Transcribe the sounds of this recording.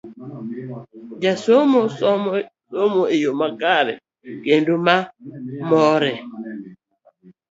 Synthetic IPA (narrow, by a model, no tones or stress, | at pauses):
d͡ʒasomɔ | somoejomakaɾɛ̰ | kendumamɔɾɛ